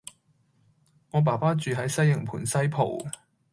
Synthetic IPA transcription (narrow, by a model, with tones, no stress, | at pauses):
ŋɔː˨˧p̬aː˨˩paː˥t͡ʃyː˨ɦɐ˨˥jsɐ˥jjɐ˨˩ŋpʰuː˨˩nsɐ˥jpʰo˨˩w